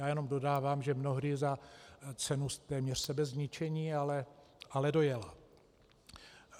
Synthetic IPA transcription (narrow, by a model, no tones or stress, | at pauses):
jaːjɛnomdo̞daːvaːmʒɛmno̞ɦdɪzat͡sɛnust̪ɛːmɲɛr̥sɛbɛzɲɪt͡ʃɛɲiːalɛalɛdo̞jɛla̰